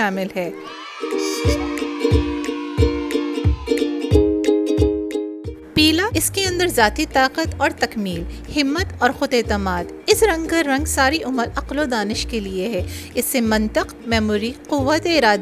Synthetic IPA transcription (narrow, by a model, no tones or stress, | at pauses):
aːmɪlɦɛː | piːlaʔɪskeɐ̃nd̪əɾzaːt̪it̪aːqət̪ɔːɾt̪ɐkmiːlhɪmːət̪ɔːɾxʊd̪eːt̪əmaːd̪ | ɪsɾɐ̃ŋɡkaɾɐ̃ŋɡsaːɾiʔʊməlɐqlod̪aːnɪʃkelieɦɛːɪsːemɐ̃nt̪ɪqmɛːmuːɾiqʊʋːət̪eɪɾaːd̪